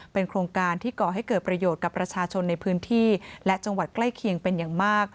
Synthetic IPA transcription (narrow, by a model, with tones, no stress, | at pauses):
pe˧nkʰɾoː˧ŋkaː˧nt̪ʰiː˥˩kɔː˨˩ɦa˥˩jkɤː˨˩t̪̚pɾa˧joː˨˩t̪̚ka˨˩pːɾa˧t͡ɕʰaː˧t͡ɕʰo˧nːa˧jpʰɯː˦˥nt̪ʰiː˥˩lɛ˦˥ʔt͡ɕa˧ŋwa˨˩t̪̚kla˥˩jkʰi˧əŋpe˧njaː˨˩ŋmaː˥˩k̚